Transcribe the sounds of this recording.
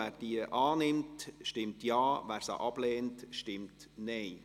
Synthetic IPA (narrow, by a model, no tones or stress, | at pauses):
æːɾd̥iəʔɑːnɪmtʃtɪmtjɑːʋæːɾsa̰ʔɑb̥lɛːntʃtɪmt | nɛɪ